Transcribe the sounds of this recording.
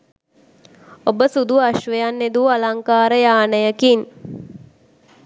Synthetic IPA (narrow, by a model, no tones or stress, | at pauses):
obəsud̪uaʃʋəjanːed̪ualaŋkaːɾəjaːnəjəkin